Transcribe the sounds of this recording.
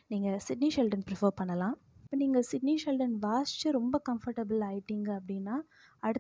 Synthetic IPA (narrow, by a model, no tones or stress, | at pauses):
niːŋɡɐsɪɖniʃɛlɖɐnpɾɪfɐɾpɐɳːɐlãː | ɪpːɐːniːŋɡɐsɪɖniʃɛlɖɐnʋaːst͡ʃːɐɾɔmbɐkɐmfɐɾʈɐbɪlaːjɪʈːiːŋɡɐɐpːɐɽɪnːaː | ɐɽɯ